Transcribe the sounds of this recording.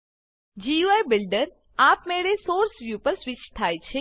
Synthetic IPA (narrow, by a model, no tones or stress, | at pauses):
d͡ʒiuajbɪlɖəɾ | apmeɭesoɾsʋjupəɾsʋɪt͡ʃt̪ʰajt͡ʃʰe